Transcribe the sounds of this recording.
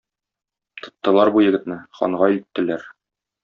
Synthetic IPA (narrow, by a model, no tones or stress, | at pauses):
t̪ʰŏt̪ːɤ̆lˠɑɾbujɘ̆ɡɘ̆t̪nɘχɒ̰ɴʁɑit̪ːɘ̆læɾ